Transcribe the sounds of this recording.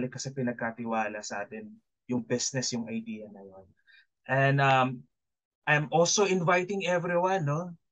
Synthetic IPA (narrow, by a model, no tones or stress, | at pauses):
lɪkːɐsɛpɪnɐɡ̚kat̪ɪwaːlɐsɐʔaːt̪ɛn | jʊŋbɪsnɛsjʊŋɐjd̪iːjɐnɐjon | ʔɛ̃nd̪ɐm | ʔajmʔolsoʔɪnvajt̪ɪŋɛvɾiwãnːo